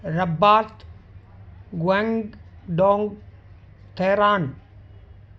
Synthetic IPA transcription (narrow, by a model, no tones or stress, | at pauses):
ɾɐbːaːt̪ | ɡwɐŋɡɖoːŋɡ | t̪ʰeːɾaːn